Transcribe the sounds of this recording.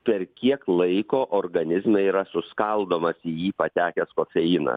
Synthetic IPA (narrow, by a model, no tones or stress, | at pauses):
pʲɛɾkʲiɛklˠɐɪkoːʔoːɾɡɐnʲɪzmʲɛiːɾɐsʊskɐlˠd̪oːmɐsiːjiːpɐt̪ʲæːkʲɛskoːfʲɛiːnɐ̰